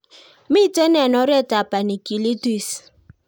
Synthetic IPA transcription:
mi˦˨te˦nɛ˨nɔ˦ɾɛ˦˨ta˨pa˨ni˨ki˨li˦ti˦˨s

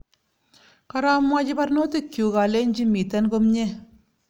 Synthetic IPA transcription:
ka˦ɾa˦mwa˦d͡ʒi˦ba˦ɾno˦te˦kju˨ka˨le˦n˦d͡ʒi˦mi˨ta˦nko˦mɲe˦

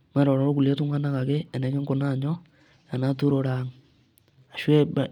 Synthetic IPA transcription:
me˦ɾo˨ɾo˨ɾo˦ku˨lje˦tu˦mwa˦na˦ka˨ke˦e˨ne˨˦ke˦ŋko˨na˦˨ɲo˦ | ja˨na˦tu˦ɾo˨ɾa˨ŋ | a˨ʃwe˦βa˨

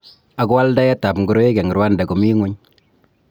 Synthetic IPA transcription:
a˨kɔ˦wa˦lda˦ja˦ta˨pŋɡu˨ɾo˦je˦kɛ˨ŋɡi˨ɾwa˦nda˨kɔ˨mi˦ŋu˦ɲ

